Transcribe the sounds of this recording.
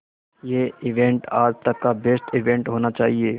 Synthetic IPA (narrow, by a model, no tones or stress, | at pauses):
jeːɪʋẽɳʈaːd͡ʒt̪ɐkːabesʈʰɪʋẽɳʈɦoːnat͡ʃaːɦieː